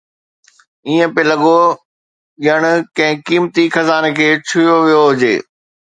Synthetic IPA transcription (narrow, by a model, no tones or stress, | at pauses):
iːə̃pelɐɠo | ʄəɽ̃kɐ̃ɦɪ̃kiːmt̪ixɐzaːnekʰeːt͡ɕʰʊjoʋijoɦʊd͡ʑḛː